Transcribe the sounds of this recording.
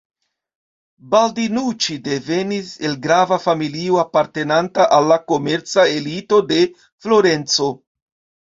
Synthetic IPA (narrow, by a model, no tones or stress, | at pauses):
baldinut͡ʃide̞ve̞nise̞lɡɾavafamilioapaɾte̞nantaʔalːako̞me̞ɾt͡sae̞lito̞de̞ | flo̞ɾe̞nt͡so̞